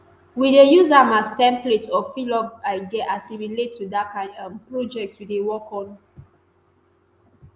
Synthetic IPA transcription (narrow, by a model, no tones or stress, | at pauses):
widejuzãmastɛ̃mpletɔfilɔɡaɪɡɛʔasiɹiletʰːudakãɪ̃ãmpɹod͡ʒɛk̚twidewɔkɔ̃n